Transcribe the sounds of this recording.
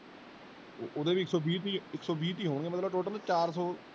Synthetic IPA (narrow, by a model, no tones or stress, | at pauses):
ʔod̪eːbiːksɔːbiːt̪iːɪksɔːbiːt̪iːɦoːɳ̃ɡeːmət̪ləbʈoːʈəlt͡ʃaːɾsɔː